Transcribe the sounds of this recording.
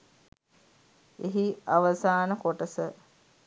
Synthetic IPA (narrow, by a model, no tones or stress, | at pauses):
eɦiaʋəsaːnəkoʈəsə